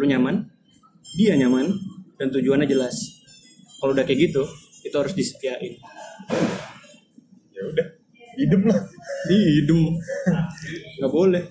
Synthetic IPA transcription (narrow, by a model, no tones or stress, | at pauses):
aluɲaman | diaɲamand̥ant̪ud͡ʒuanːad͡ʒəlas | kalowdakeɡit̪ukit̪aɦaɾʊsdisə̥t̪iaʔɪn | jaudah | idʊmlahniidʊm | ŋɡabolɛh